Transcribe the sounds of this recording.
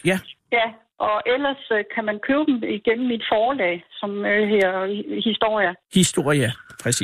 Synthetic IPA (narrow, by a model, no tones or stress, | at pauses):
jæjæ | ʔɒ̽ʔel̰ɐskʰæmænkʰøːʊd̥m̩iɡ̥en̰m̩ːid̥fɒːlɛ̰ːsɒ̽mɦeɐ̰hisd̥o̝ɐ̰jəhisd̥o̝ɐ̰jæpʰʁɛs